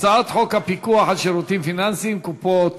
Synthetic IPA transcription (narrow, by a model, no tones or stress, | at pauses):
t͡saat̪ħokapikuaħat̪ʃeɾut̪imfinansimkupo